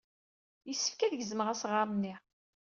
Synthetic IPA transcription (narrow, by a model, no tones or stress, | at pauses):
jəsːə̥fkæðəʝəzəməʁæsʁamənːi